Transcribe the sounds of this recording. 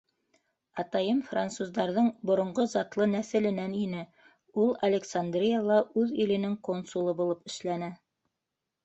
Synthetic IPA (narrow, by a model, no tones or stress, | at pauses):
ɑt̪ɑjɤmfrant̪suzd̪ɑɾðɤɴbŏɾŏɴɢozɑt̪lˠɤnæθɘ̆lɘ̆næninɘ | ulˠɐlʲeksand̪rʲijalˠɑʔʉðilɘ̆nɘŋkonsulˠɤbulˠɤpɘ̆ʃlænɘ